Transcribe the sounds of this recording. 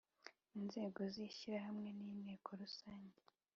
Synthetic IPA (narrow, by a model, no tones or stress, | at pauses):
inze̞ːɡo̞ziːçiɾahamŋe̞niːneːkʰo̞ɾusaːɲɟe